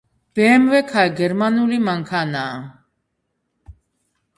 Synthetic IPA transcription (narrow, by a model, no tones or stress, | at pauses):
b̥ɛmvɛkʰajɡɛɾmanulimaŋkʰana